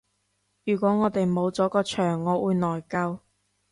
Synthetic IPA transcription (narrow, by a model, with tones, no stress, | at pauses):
jyː˨˩kʷɔː˨˥ŋɔː˨˧t̪e˨jmo˨˧wt͡sɔː˨˥kɔː˧t͡ʃʰœː˨˩ŋːɔː˨˧wuː˨˧jnɔː˨˩jkɐ˧w